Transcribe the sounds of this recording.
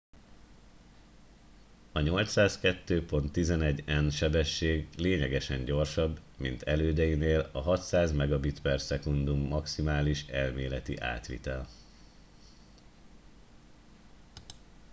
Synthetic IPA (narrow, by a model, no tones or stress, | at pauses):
ɒɲo̞lt̪saːskɛt̪ːøːpo̞nt̪ːizɛnɛɟːɛnʃɛbɛʃːeːɡleːɲɛɡɛʃɛɲɟo̞rʃɒbːmḭnt̪ʰɛløːd̪ɛjineːlɒɦɒt̪saːzmɛɡɒbit̪pɛrsɛkund̪umːɒksimaːliʃɛlmeːlɛt̪ḭʔa̰ːt̪ʋḭt̪ɛl